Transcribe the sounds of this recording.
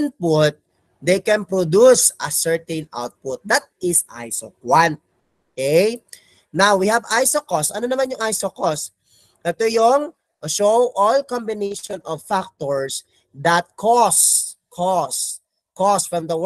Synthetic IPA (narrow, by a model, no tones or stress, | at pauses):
n̚pʊt̪̚ | d̪ejkɛ̃npɹod̪usʔɐsɛɹt̪ɛ̃nʔa̰wt̪̚pʊt̪̚d̪ɐt̪̚ɪsʔa̰jso̰kwãnt̪̚ | okɛj | nawːihɐvajsokɔsʔɐnonɐmanjʊŋajsokos | ʔɛt̪ojʊŋ | ʃowʔɔlkɔ̃mbɪnejʃɔnʔɔvfak̚t̪ɔɹs | d̪ɐt̪̚kʰɔs | kʰɔs | kɔsfɹɐ̃md̪ɐw